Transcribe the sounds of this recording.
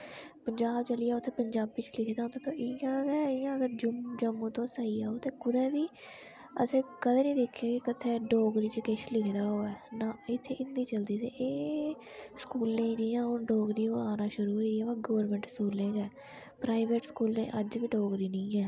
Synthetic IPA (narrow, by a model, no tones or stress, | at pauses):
pəɲd͡ʒaːbt͡ʃəliːaːʊt̪ʰːeːpəɲd͡ʒaːbit͡ʃlɪkʰd̪aːɦõnd̪aːt̪õːʔɪjãːɡɛːɪjãːəɡəɾd͡ʒd͡ʒəmːũːt̪õːsaːiːaːoːt̪eːkʊd̪ɛːbiː | ə̰sẽːkəd̪eːnĩːd̪ɪkʰːẽːkɪkət̪ʰːeːɖoːɡɾiːt͡ʃəkeʃlɪkʰd̪aːɦoːɛːnaːɪt̪ʰːeːʔɪnd̪iːt͡ʃəld̪iːseːʔeː | skuːlẽːd͡ʒiːãːɦʊnɖoːɡɾiːoːaːnãːʃʊɾuːɦoiːiɛːaːɡɔːʋɾmə̃ɳʈskuːlẽːɡɛː | pɾaːɪʋeːʈskuːlḛ̃ːʔəd͡ʒʋiːɖoːɡɾiːnəĩːɛː